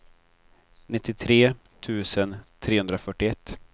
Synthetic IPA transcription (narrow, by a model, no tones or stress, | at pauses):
nɪt̪ʰːɪt̪ʰɾeːt̪ʰʉ̟ːsənt̪ʰɾeːɵnd̪ɾafœʈːɪɛt̪ː